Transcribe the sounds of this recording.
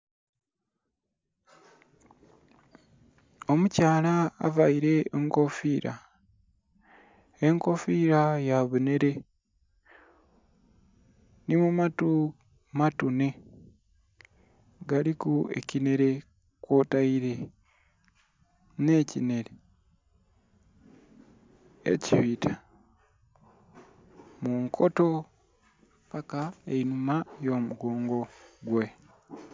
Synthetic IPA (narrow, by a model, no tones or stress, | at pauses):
o̞mucaːla̰ːvaiɾe̞eŋko̞fiːɾa̰ | eŋko̞fiɾajaβune̞ɾe̞ | nimumatu | matune̞ | ɡalikuḛcine̞ɾe̞ | kwotaiɾe | necḭne̞ɾe | ḛciβitʰa | muŋkʰoto | pakaeinumajo̞ːmuɡoːŋɡo̞ɡwe